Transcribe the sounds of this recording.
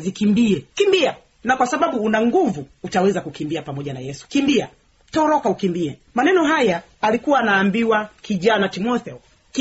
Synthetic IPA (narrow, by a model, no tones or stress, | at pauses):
zikimbiɛkimbia | nakwasaɓaɓuːnaŋɡuvuːtawɛzakukimbiapamɔʄana̰jɛsu̥kimbia | tɔɾɔkaukimbiɛmanɛnɔɦajaː | likuwaːnaːmbiwakiʄanatimɔθɛɔ | k